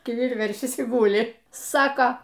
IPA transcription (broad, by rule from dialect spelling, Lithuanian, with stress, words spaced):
kʲɪˈʋʲɪr ˈʋʲɛrʲʃʲɪs iː ˈɡuːlʲɪ ˈsɑːkoː